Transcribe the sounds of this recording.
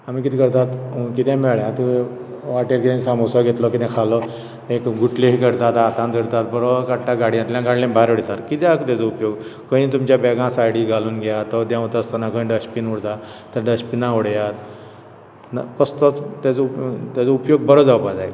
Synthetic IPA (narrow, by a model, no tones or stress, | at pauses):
amiːkit̪ikəɾt̪at̪ːkit̪ɛ̃mɛɭjãt̪ue | ʋaʈeɾkit̪ɛ̃samosaɡʱet̪lɔkit̪ʰɛ̃kʰalɔ | ekɡuʈleɦikəɾt̪at̪at̪ãnd̪əɾt̪at̪bəɾɔkaʈʈaɡaɽiãt̪ljãɡaɽlẽbaɾɽet̪at̪kit̪jakt̪jat͡sɔupjoɡkə̃ĩːt̪̬umt͡ɕjabɛɡãsajɽiɡʱaluːnɡʱjat̪ɔd̪jãut̪əst̪anakəĩɖəspinuɽt̪a | t̪əɾɖəspinaoɽjat̪ | na̰kəst̪ɔt͡st̪at͡sɔupt̪at͡sɔupjoɡ̚bəɾɔd͡zawpad͡zaj